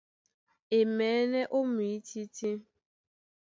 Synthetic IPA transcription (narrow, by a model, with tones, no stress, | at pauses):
e˨mɛː˨˦ne˦ʔo˦mi˨i˦ti˦ti˦